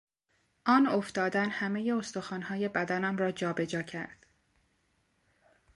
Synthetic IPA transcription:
ʔɒːno̞ft̪ɒːd̪ænhæmeje̞o̞st̪o̞xɒːnhɒːje̞bæd̪ænæmrɒːd͡ʒɒːbe̞d͡ʒɒːcʰæ̰ɾd̪̥

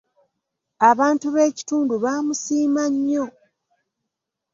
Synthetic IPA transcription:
aβaːntuβe̞ːci̥tuːnduβaːmusiːmaɲːo̞

